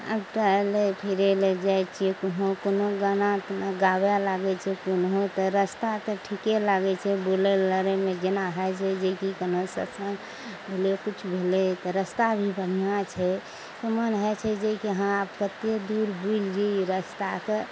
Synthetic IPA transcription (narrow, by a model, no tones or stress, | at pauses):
a̰bʈəelepʰiɾeled͡ʒajt͡ʃʰiekoɦokonoɡənat̪naɡabjalaɡɛt͡ʃʰɛkonɦot̪ɔɾəst̪at̪ɔʈʰikelaɡɛt͡ʃʰɛboleləɾemẽd͡ʒenaɦət͡ʃʰɛd͡ʒekikonosə̰sən | bʱelekut͡ʃʰbʱelet̪ɔɾəst̪abʱibən̤ijãt͡ʃʰɛ | t̪ɔmənɦɛt͡ʃʰɛd͡ʒekeɦãab̚kət̪ed̪uɾbud͡ʒd͡ʒiɾəst̪ake